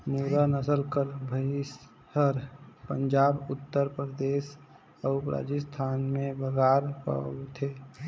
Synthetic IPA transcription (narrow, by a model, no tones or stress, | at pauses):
muːɾanəsəlkəɾbʱəɪs | əɾpə̃nd͡ʒaːbʊt̪ːəɾpɾəd̪eːs | əʊpɾa̰ːd͡ʒəst̪ʰaːnmẽbəɡaːɾpə̰t̪ʰeː